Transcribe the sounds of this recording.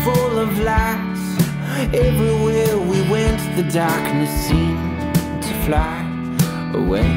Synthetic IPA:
fʊlˠʌvlæks | ɛvɹiwɛɹwiwɛ̃ntðɨdɑɹknɨsĩn | tʰɨflaɪ | ʔə̰wḛɪ

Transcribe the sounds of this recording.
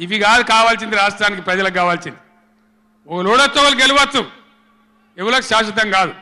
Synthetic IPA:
iʋiɡaːd̪ukaːʋaːls̬ind̪iɾaːʂʈɾaːnik̬ipɾɐd͡ʒɐlɐkːaːʋaːlsind̪i | ɔkɐloːɽɐt͡sːɐkɐlɡeluʋɐt͡sːu | eʋulɐkuʃaːʃ̬ɐt̪̬ɐŋɡaːd̪u

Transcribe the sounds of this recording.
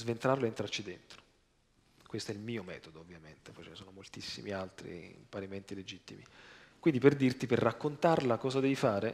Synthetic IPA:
zvent̪ɾarloent̪ɾart͡ʃid̪ent̪ɾo̥ | kwest̪oɛilmiːomɛ̰ːt̪od̪oovːjament̪e̥pɔt͡ʃɛnesoːnomolt̪isːḭmialt̪ɾḭmpaɾiment̪iled͡ʒit̪ːḭmḭkwind̪iperd̪irt̪iperːakːont̪arlakɔːzad̪ɛvifaːɾe

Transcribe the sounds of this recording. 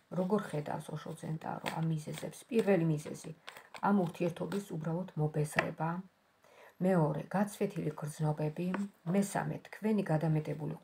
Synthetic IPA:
ɾɔɡɔɾχɛd̪a̰fsɔʃɔt̪sʰɛnt̪ʼa̰ɾɔ̰a̰mːizɛzɛpspʼiɾvɛlimizɛ̰ziamuɾt̪ʰiɛɾt̪ʰɔbisubɾalˠɔd̪mɔbɛzɾɛ̰baː | mɛɔɾɛ̰ɡ̥at̪sʰvɛt̪ʰiliɡɾd̪znɔbɛbimɛsa̰mɛ̰t̪ʰkʰvɛniɡad̪amɛt̪ʼɛbuli

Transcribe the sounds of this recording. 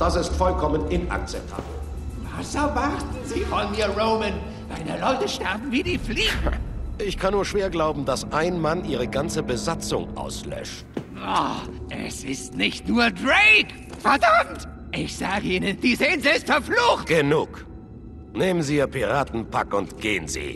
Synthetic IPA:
d̥asɪstfɔlkʰɔmənʔɪna̰k̚t͡sɛp̚tʰa̰ːbl̩ | vasɛɐvaʁtn̩ziːfɔniːɐʁoʊmən | vaɪdeɐlɔʏtəʃtɛɐb̚m̩viːdiːfliːɡŋʔɪçkʰanːuːɐʃv̥eːɐɡlaʊbm̩dasʔaɪnmanʔiːʁ̞əɡant͡səbəzat͡sʊ̰ŋʔa̰ʊslœ̰ʃt̚vɔʔɛ̰sɪstnɪçtnuːɐdʁek | fɛɐdamt | ʔɪçz̥aːɡəʔiːnənd̥iːzenzɪstfɛɐfluːxtɡ̥ənuːk | neːmənziːɐpiʁaːtn̩pʰa̰kʊntɡ̥eːənzḭː

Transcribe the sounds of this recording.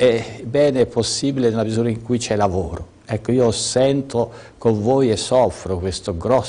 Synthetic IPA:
ɛbɛːneɛpːosːiːbilenelamizuːɾaiŋkujt͡ʃɛlavoːɾo | ɛkːoiːosɛnt̪o | koɱvɔːjesːɔfːɾokwest̪oɡɾɔs

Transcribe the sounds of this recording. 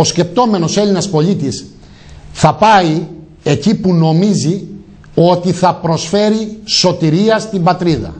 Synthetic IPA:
o̞sce̞p̚t̪o̞me̞no̞se̞linɐspo̞lit̪is | θɐpɐi | e̞cipuno̞mizi | o̞t̪iθɐpɾo̞sfe̞ɾiso̞t̪iɾiɐst̪imbɐt̪ɾiðɐ̰

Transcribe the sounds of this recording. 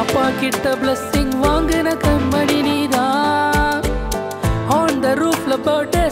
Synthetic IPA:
ɐpːaːkɪʈ̪ːɐblɐsːiŋɡʋaːŋɡɐnɐkɐmɐɽiniːd̪a | ɔːnd̪ɐɾuːpʰlɐbɐːʈɐ

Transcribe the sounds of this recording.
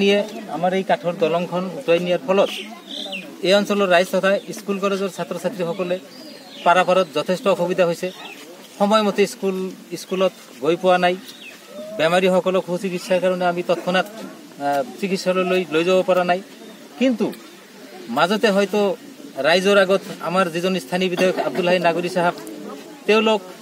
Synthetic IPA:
nijeamaɾejkaʈʰɔɾd̪ɔlɔŋkʰɔnukajnijaɾpʰɔlɔt̪ | eɔnsɔlɔɾːajzt̪ɔt̪ʰaiskulkɔlezɔɾsat̪ɾɔsat̪ɾiɦɔkɔle | paɾapaɾɔt̪zɔt̪ʰesʈɔkʰubid̪aɦojse | hɔmɔjɔmɔt̪eskuliskulɔt̪̚ | ɡojpɔwanaj | bɛmaɾiɦɔkɔlɔkʰut͡ʃikit̪saɾkaɾɔneamit̪ɔt̪ʰɔnat̪ | t͡ʃikit̪sallojzabɔpaɾanaj | kint̪u | mazɔt̪eɦɔjt̪ɔ | ɾajzɔɾaɡɔt̪ʰa̰maɾzizɔnist̪ʰanibid̪ajɔkʰab̚d̪ulɦaɦinaɡoɾisaɦab | t̪ewlok̚

